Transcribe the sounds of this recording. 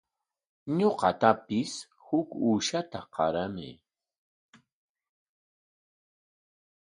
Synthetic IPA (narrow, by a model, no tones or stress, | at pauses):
ɲoqɑt̪apɪs | hʊkuːʃat̪aqɑ̰ɾamɪ̰